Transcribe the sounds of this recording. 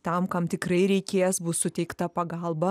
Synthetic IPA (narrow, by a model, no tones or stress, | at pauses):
t̪ɐmkɐmt̪ʲɪkɾɐɪɾʲɛɪkʲeːjɛsbʊssʊt̪ʲɛɪkt̪ɐpɐɡɐlˠbɐ